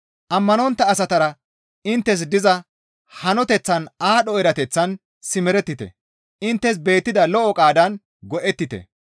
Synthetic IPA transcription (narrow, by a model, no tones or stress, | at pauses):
ʔɐmːɐnɔnt̪ːɐːsɐt̪ɐɾɐ | ɪnt̪ːɛs̬d̪ɪzɐ | hɐnɔt̪ɛt͡sːɐnaːɗɔɛɾɐt̪ɛt͡sːɐn | sɪmɛɾɛt̪ːɪt̪ɛ̰ | ɪnt̪ːɛs̬be̞ːt̪ːɪd̪ɐlɔʔɔkʼaːd̪ɐn | ɡɔʔɛt̪ːɪt̪ɛ̰